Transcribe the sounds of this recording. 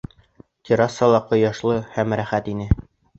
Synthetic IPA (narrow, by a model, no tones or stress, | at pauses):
t̪ʲʰiɾɑsːɑlˠɑqŏjɑʃlˠɤhæmɾæχæt̪inɘ